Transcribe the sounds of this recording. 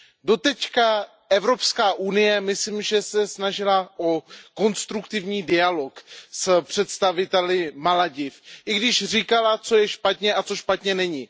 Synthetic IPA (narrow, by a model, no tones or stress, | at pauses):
do̞t̪ɛcka | ʔɛvɾo̞pskaːʔunɪjɛmɪslimʒɛsɛsnaʒɪlaʔo̞ko̞nst̪ɾukt̪ɪvɲiːdɪalo̞kspr̝̥ɛt̪st̪avɪt̪ɛlɪmalaɟɪfʔɪɡdɪʃr̝iːkalat͡so̞jɛʃpat̪ɲɛʔat͡so̞ʃpat̪ɲɛnɛɲɪ